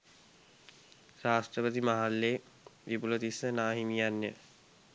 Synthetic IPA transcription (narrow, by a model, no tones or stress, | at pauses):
ɾaːsʈɾəpət̪imaɦalːe | ʋipulot̪isənaːɦimijanjə